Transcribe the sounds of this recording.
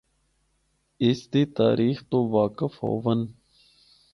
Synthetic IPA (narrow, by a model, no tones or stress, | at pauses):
ɪsd̪eːt̪a̰ːɾʔiːxt̪oːʋaːkəfɦo̰ːʋən